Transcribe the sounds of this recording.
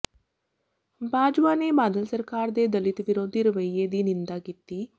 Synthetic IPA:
baːd͡ʒʋaːnebaːd̪əlsəɾkaːɾd̪eːd̪əlɪt̪ʋɪɾoːd̪iɾəʋəied̪iːnɪ̃nd̪aːkit̪iː

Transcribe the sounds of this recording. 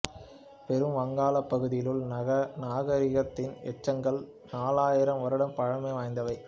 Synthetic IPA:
pɛɾɯmʋɐŋɡaːlɐpːɐɣɯðɪjɪlɯlɐnaːɣɐɾɪɣɐt̪ːɪnɛt͡ʃːɐŋɡɐɭ | naːlaːjɪɾɐmʋɐɾɯɽɐmpɐɻɐmɐɪʋaːjnd̪ɐʋɐɪ

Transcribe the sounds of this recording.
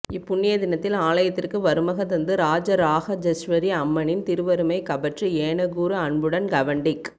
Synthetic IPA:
ɪpːʊɳːijɐðɪnɐt̪ːɪlaːlɐjɐt̪ːɪrkɯʋɐɾɯmɐɣɐt̪ɐnd̪ɯɾaːd͡ʒɐɾaːɣɐd͡ʒɐsʋɐɾiɐmːɐnɪnt̪ɪɾɯʋɐɾɯmɐɪkɐbɐʈrɯeːɳɐɣuːɾɯɐɳbɯɽɐnɡɐʋɐɳɖɪk

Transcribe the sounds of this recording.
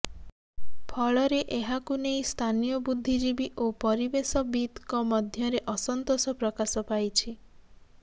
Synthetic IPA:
pʰɔɭɔɾeʔeɦakunejst̪ʰanijɔbud̪ʱːid͡ʒibiʔopɔɾibesɔbit̪kɔmɔd̪ʱjɔɾeʔɔsɔnt̪osɔpɾɔkasɔpajt͡ʃʰi

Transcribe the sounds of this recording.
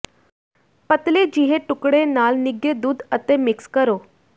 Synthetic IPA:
pət̪led͡ʑiɦeʈukɽenalniɡed̪uːd̪ət̪emikskəɾo

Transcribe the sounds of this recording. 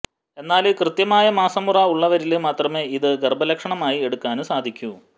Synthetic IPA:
e̞nːaːlɨkrɨt̪jɐmaːjɐmaːsɐmːurɐuɭːɐʋɐɾilɨmaːt̪rɐmeːiðɨɡerbɐlɐkʂɐɳɐmaːjie̞ɽukːaːnɨsaːd̪ʱikʲːu

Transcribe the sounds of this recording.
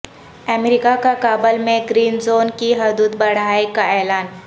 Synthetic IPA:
ɛmɾɪkakakaːbəlmẽɡɾiːnzoːnkiɦʊd̪uːd̪bɐɽ̤aːekaɛːlaːn

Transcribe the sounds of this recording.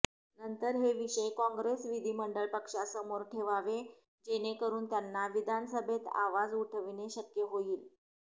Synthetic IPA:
nənt̪əɾɦeʋiɕəjkɔ̃ŋɡɾesʋid̪ʱiːməɳɖəɭpəkʂasəmoɾʈʰeʋaʋe | d͡ʑenekəɾuːnt̪janːaʋid̪ʱansəbʱet̪a̰ʋad͡zuʈʰəʋineɕəkjəɦoiːl

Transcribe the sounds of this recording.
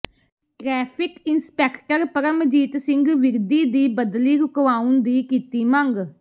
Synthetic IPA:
ʈɾɛːpʰɪkɪnspɛːkʈəɾpəɾəmd͡ʒiːt̪sɪ̃ŋɡʋɪɾd̪iːd̪iːbəd̪liːɾʊkʋaːũnd̪iːkiːt̪iːməŋɡ

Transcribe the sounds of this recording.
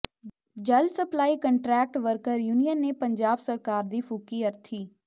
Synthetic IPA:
d͡ʒəlsəplaːiːkəɳʈɾɛːk̚ʈʋəɾkəɾjuːnijənːeːpəɲd͡ʒaːbsəɾkaːɾd̪iːpʰukiːəɾt̪ʰiː

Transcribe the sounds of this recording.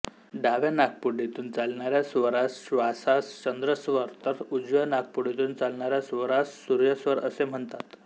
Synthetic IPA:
ɖaʋjanak̚puɖet̪uːnt͡salɳaɾjasʋəɾasɕʋasast͡ɕənd̪ɾəsʋəɾt̪əɾud͡zʋənak̚puɽet̪uːnt͡salɳaɾjasʋəɾassuɾjəsʋəɾəsem̤əɳt̪at̪

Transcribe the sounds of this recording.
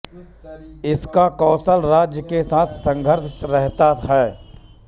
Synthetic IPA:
ɪskakɔːsəlɾaːd͡ʒjəkesaːt̪ʰsə̃ŋɡʱəɾʃɾɛɦt̪aɦɛː

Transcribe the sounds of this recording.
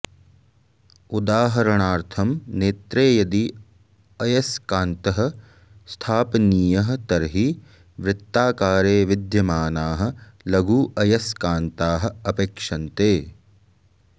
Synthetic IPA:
ud̪aːɦɐɾɐɳaːɾt̪ʰɐmneːt̪ɾeːjɐd̪i | ɐjɐskaːnt̪ɐɦɐ̆ | st̪ʰaːpniːjɐɦɐ̆t̪ɐɾɦi | ʋɾɪt̪ːaːkaːɾeːʋɪd̪jɐmaːnaːɦɐ̆ | lɐɡuːʔɐjɐskaːnt̪aːɦɐ̆ɐpeːkʂɐnt̪eː

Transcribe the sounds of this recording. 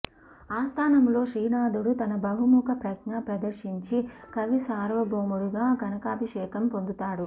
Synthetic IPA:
aːst̪ʰaːnɐmlo̞ːʂiːnaːd̪uɽut̪ɐnɐbɐɦumuːkɐpɾɐknɐpɾɐd̪ɐɾʃiɲt͡ʃikɐʋisaːɾʋɐboːmuɽuɡaːɡɐnɐkaːbʱiʂɛːkɐmpo̞nd̪ut̪aːɽu

